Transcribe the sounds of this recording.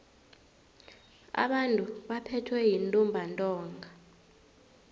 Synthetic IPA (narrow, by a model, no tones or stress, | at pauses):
a̰ɓantʼuɓapʰɛtʰwɛjintʼumbʱantʼɔːŋɡʱa